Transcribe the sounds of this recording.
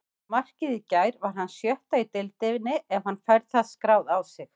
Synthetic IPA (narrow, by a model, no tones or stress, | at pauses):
mar̥cɪðɪcaːjɾvaɾ̥hanːsjœht̪ait̪ɪlt̪ɪvɪnːɪʔɛvhanːfajɾð̥θaðskɾaːwðawsɪx